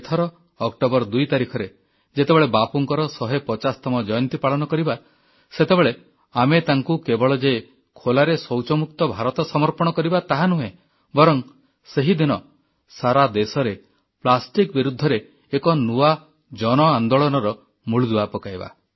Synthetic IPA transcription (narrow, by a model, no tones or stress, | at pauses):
t̪ʰɔɾɔː | kʈobɔɾd̪ujt̪aɾikʰɔɾe | d͡ʒet̪ebeɭebapɔŋkɔɾɔsɔɦepɔt͡ʃast̪ʰamɔd͡ʒɔjɔnt̪ipaɭɔnɔkɔɾiba | set̪ebeɭe | amet̪aŋkukebɔɭɔd͡ʒe | kʰolaɾesɔwt͡ʃɔmuk̚t̪ɔbʱaɾɔt̪ɔsɔmɔɾpɔɽ̃ɔkɔɾibat̪aɦanuɦẽ | bɔɾɔŋ | seɦid̪inɔ | saɾad̪esɔɾe | plasʈikbiɾud̪ʱːɔɾeː | kɔnua | d͡ʒɔnɔand̪oɭɔnɔɾɔ | muɭud̪uapɔkajba̰